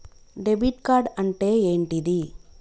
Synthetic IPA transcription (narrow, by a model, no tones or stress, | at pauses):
ɖebiʈkaːɾɖɐɳʈe̞ːeːɳʈid̪i